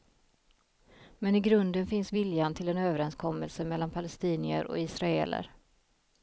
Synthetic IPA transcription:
mɛnɪɡɾɵnd̪ənfɪnsvɪljant̪ʰɪlɛnøːvəɾɛnskʰɔmːəlsəmɛlːanpʰalɛst̪iːnɪə̰ɾʔɔ̰ɪsɾaḛːlə̰ɾ

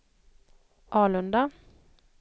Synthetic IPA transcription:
ʔɑːlɵnd̪a

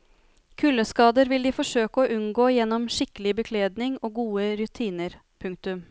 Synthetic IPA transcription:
kʰʉlːəskɑːd̪əɾʋɪld̪iːfɔʂøːkəɔːʔʉnɡoːjɛnːɔmʂɪkəlɪbəkʰleːd̪nɪŋoːɡuːəɾʉt̪ʰiːnəɾ | pʰʉŋk̚t̪ʉm

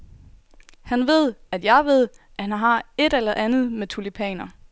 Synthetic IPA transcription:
hænʋe̝ð̞̰ˠæd̥jɑ̈ɪʋe̝ð̞̰ˠ | ʔæhænɦɑ̈e̝d̥elɐʔænð̩ˠmet͡sʰulipʰɛ̰ːnɐ

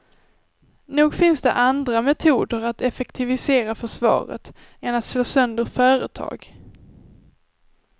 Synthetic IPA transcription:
nuːɡfɪnsd̪ɛ̰ʔand̪ɾamɛt̪ʰuːd̪əɾat̪ɛfɛkt̪ʰɪvɪseːɾafœʂvɑ̰ːɾə̰t̪ | ɛnat̪sloːsœnd̪əɾfœːɾə̰t̪ʰɑ̰ːɡ

